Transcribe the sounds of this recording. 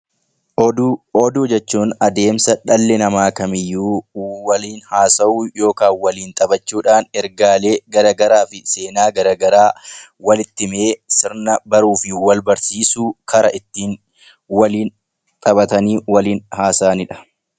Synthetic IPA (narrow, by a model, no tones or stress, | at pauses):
ʔɔd̪uɔd̪uːd͡ʒɛt͡ʃːuːnɐd̪e̞ːmsɐᶑɐlːɛnɐmaːkɐmɪjːuːwɐliːnhaːsɐuːjo̞ːkaːnwɐliːnt̪ʼɐbɐt͡ʃːuːᶑaːnɛɾɡaːle̞ːɡɐɾaːɡɐɾaːfɪse̞ːnaːɡɐɾaːɡɐɾaː | wɐlɪt̪ːɪme̞ːsɪɾnɐbɐɾuːfɪwɐlbɐɾsiːsuːkʰɐɾɐʔɪt̪ːiːn | wɐliːn | t̪ʼɐbɐt̪ɐniːwɐliːnhaːsaːnɪᶑɐ̥